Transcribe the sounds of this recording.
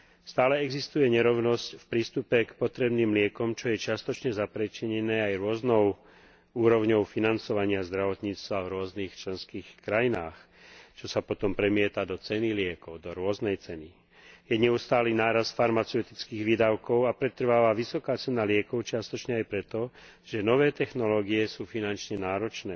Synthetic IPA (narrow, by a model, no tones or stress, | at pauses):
st̪aːlɛɛɡzist̪ujɛɲɛɾɔʊnɔscfpɾiːst̪upɛkpɔt̪ɾɛbniːmlɪɛkɔmt͡ʃɔjɛt͡ʃɪast̪ɔt͡ʃɲɛzapɾɛt͡ʃiɲɛnɛːajɾʊɔznɔʊ | uːɾɔʊɲɔʊfinant͡sɔʋaɲɪazd̪ɾaʋɔt̪ɲiːt͡st̪ʋavɾʊɔznixt͡ʃlɛnskiːxkɾajinaːx | t͡ʃɔsapɔt̪ɔmpɾɛmɪɛt̪ad̪ɔt͡sɛnilɪɛkɔʊd̪ɔɾʊɔznɛjt͡sɛni | jɛɲɛust̪aːliːnaːɾast̪faɾmat͡sɛʊt̪it͡skiːɣʋid̪aʊkɔʊapɾɛt̪r̩ʋaːʋaʋisɔkaːt͡sɛnalɪɛkɔʊt͡ʃɪast̪ɔt͡ʃɲɛajpɾɛt̪ɔ | ʒ̥ɛnɔʋɛːt̪ɛxnɔlɔːɡiɛsuːfinant͡ʃɲɛnaːɾɔt͡ʃnɛː